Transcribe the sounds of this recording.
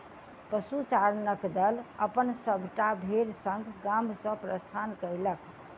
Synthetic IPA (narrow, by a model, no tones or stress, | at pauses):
pəsut͡ʃaɾnəkd̪ələpənsəbʱʈabʱeɾsəŋɡʱɡamsə̃pɾəst̪ʰankəjləkʰ